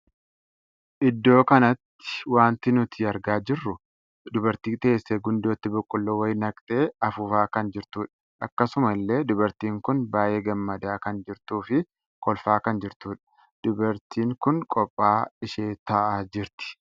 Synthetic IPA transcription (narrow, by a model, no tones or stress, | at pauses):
ʔɪd̪ːo̞ːkɐnɐt̪ːɪ̥waːnt̪ɪnʊt̪ʰɪɐɾɡaːd͡ʒɪrːʊ | d̪ʊbɐɾt̪iːt̪eːsːeɡʊnd̪o̞ːt̪ːɪbʊkʼːʊlːowɐjnɐkʼt̪ʼe̞ːɐfʊfaːkɐnd͡ʒɪɾt̪uːᶑɐ̥ | ʔɐkːɐsʊmɐlːe̞ːd̪ʊbɐɾt̪iːŋkʊnbaːjeːɡɐmːɐd̪aːkɐnd͡ʒɪɾt̪uːfɪ | kʰɔlfaːkɐnd͡ʒɪɾt̪uːᶑɐ̥ | d̪̥ʊbɐɾt̪iːŋkʊnkʼɔpʼːaːɪʃeːt̪ɐʔaːd͡ʒɪɾt̪ɪ̥